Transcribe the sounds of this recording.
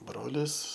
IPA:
ˈbroːlʲɪs

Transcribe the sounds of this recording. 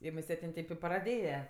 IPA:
ɪ mʊˈsʲɛtʲ ˈɪn ˈtʲeːp ɪ prɐˈdʲeːjɛ

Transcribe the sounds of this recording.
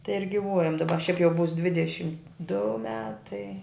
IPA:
tɐɪ ɪr ɡʲɪˈʋuɔjɛm dɐˈbɐ ʃʲɛɪp jɛʊ buːs ˈdʲʋʲɪdʲɛʃʲɪm dʊ ˈmʲæːtɐɪ

